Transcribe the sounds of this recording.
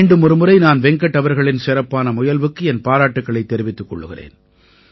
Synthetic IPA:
ɳɖɯmʊɾɯmɯɾɐɪnaːnʋɛŋkɐʈːɐʋɐɾɣɐɭɪnsɪɾɐpːaːnɐmʊjɐlʋɯkːɯɛnpaːɾaːʈːɯkːɐɭɐɪt̪ːɛɾɪʋɪt̪ːɯkːɔ̰ɭːɯɣɪrḛːn

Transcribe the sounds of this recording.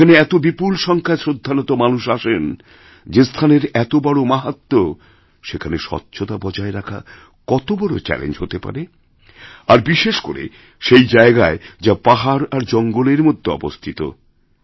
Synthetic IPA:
aneɛt̪obipulʃɔŋkʰaesɾod̪ʱːanot̪omanuʃaʃen | d͡ʑest̪ʰaneɾɛt̪obɔɽomaɦat̪ːo | ʃekʰaneʃɔ̰tːɕʰot̪abɔd͡ʑaeɾakʰa̰ | kɔt̪obɔɽo̰t͡ɕɛ̰lḛnd͡ʑɦot̪epa̰ɾe | aɾbiʃeʃko̰ɾḛ | ʃejd͡ʑaeɡaed͡ʑapaɦaɾaɾd͡ʑɔŋɡoleɾmod̪ʱːeɔ̰bo̰st̪ʰit̪o̰

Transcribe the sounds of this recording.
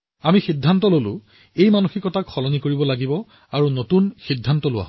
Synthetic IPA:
amixidʱːantɔlolʊ̰̃ | ejmanuxikɔtakxɔlɔnikoɹibɔlaɡibɔ | aɹunotunxidʱːantɔlʊwa̰

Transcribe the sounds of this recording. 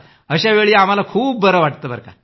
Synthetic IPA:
əɕaʋeɭiːam̤alakʰuːp̚bəɾəʋaʈt̪əːbʱə̰ɾka̰

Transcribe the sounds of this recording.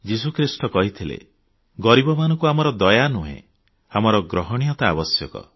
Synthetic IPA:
d͡ʒisukʰɾisʈɔkɔɦit̪ʰilḛ | ɡɔɾibɔmanɔ̃ŋkuamɔɾɔd̪ɔjanuɦḛ̃ | amɔɾɔɡɾɔɦɔɽ̃ijɔt̪aːbɔsjɔkɔ̰

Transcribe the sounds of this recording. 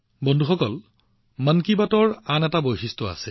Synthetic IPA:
bɔndʱuxɔkɔl | mankibatɔɹanɛtabojxistɔa̰sɛ

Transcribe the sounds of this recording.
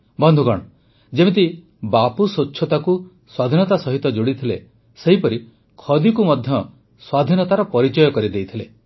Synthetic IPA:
bɔnd̪ʱuɡɔɽ̃ɔ | d͡ʒebet̪̬i | bapusot͡ʃːʰjɔt̪aku | swad̪ʱinɔt̪asɔɦit̪ɔd͡ʒoɽit̪ʰile | seɦipɔɾi | kʰɔd̪ikumɔd̪ʱjɔ | swad̪ʱinɔt̪aɾɔpɔɾit͡ʃɔjɔkɔɾid̪ejt̪ʰile

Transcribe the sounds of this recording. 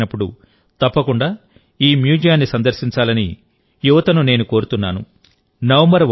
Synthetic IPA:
nɐpːuɽṵ | t̪ɐpːɐkuɳɖaː | iːmjuːd͡ʒijaːnːisɐnd̪ɐɾsiɲt͡ʃaːlɐnḭ | juʋɐt̪ɐnune̞ːnuko̞ːɾut̪unːaːnṵ | nɐʋɐmbɐɾʋ

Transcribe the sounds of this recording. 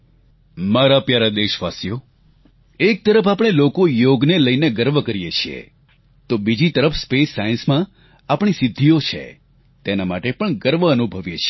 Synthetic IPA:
maɾapjaɾad̪eʃʋasjo | ek̚t̪əɾəfapɽ̃elokojoɡneləjneɡəɾʋəkəɾijet͡ʃʰiḛ | t̪obid͡ʒit̪əɾəfspesːajənsmã | apɳ̃isɪd̪ʱːijot͡ʃʰḛ | t̪enamaʈepəɳɡəɾʋəənubʱəʋjet͡ʃʰi

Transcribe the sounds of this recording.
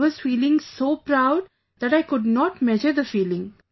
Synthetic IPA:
ʋɔz̥fiːlɪ̃ŋsoːpɾaʊɖ̚ | d̪æʈaɪkʊɖnɔːʈmɛd͡ʒəɾd̪əfiːlɪ̃ŋ

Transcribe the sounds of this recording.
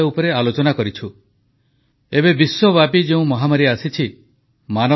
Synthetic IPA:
aupɔɾealot͡ʃɔnakɔɾit͡ʃʰu | ebebiswɔbapid͡ʒeũmɔɦamaɾiasit͡ʃʰi | manɔ

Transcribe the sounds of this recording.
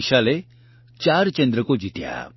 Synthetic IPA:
ʃale | t͡ʃaɾt͡ʃend̪ɾəkod͡ʒit̪ja̰

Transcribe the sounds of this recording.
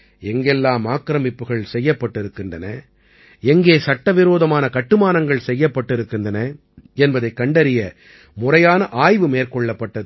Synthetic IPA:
ɛŋɡɛlːaːmaːkːɾɐmɪpːɯɣɐɭsɛjːɐpːɐʈːɪɾɯkːɪndrɐnɐ | ɛŋɡeːsɐʈːɐʋɪɾoːðɐmaːnɐkɐʈːɯmaːnɐŋɡɐɭsɛjːɐpːɐʈːɪɾɯkːɪndrɐnɐ | ɛnbɐðɐɪkːɐɳɖɐɾɪjɐ | mʊrɐjaːnɐʔaːjʋɯmeːɾkɔɭːɐpːɐʈːɐð

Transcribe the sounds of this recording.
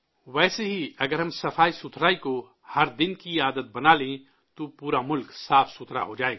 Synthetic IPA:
ʋɛːseɦiɐɡəɾɦɐmsɐfaːisʊt̪ʰɾaːiko | hɐɾd̪ɪnkiaːd̪ət̪̚bɐnalẽ | t̪opuːɾamʊlksaːfsʊt̪ʰɾa̰ɦod͡ʒaːeːɡa

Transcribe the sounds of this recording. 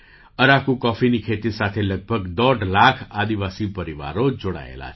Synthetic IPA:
əɾakukɔfinikʰet̪isat̪ʰeləɡ̚bʱəɡd̪ɔɖlakʰad̪iʋasipəɾiʋa̰ɾod͡ʒoɽa̰ḛla̰t͡ʃʰ

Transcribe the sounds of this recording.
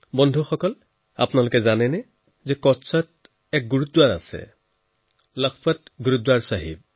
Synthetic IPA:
bɔndʱuxɔkɔl | a̰pnalʊkɛzanɛnɛ | zɛkɔtsɔt̚ | ɛk̚ɡuɹut̚ːwaɹa̰sɛ̰ | lɔkʰpat̚ɡuɹudwaɹsaɦḭb̚

